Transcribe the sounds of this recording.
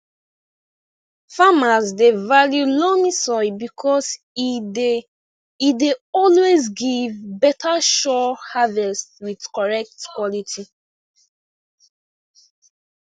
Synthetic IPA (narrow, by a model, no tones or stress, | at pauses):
famazdevaljulɔmisɔɪbikʰɔs | ideɔlwezɡivbɛtʰaʃɔhavɛstwidkɔɹɛk̚tkwɔlitʰi